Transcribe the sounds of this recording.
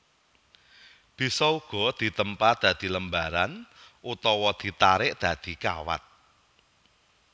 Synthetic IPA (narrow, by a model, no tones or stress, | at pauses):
b̥i̤sɔuɡ̥ɔ̤d̪̥i̤t̪əmpad̪̥ä̤d̪̥i̤ləmbaɾanʔut̪ɔwɔd̪̥i̤t̪aɾɪʔd̪̥a̤d̪̥i̤ka̰wa̰t̪̚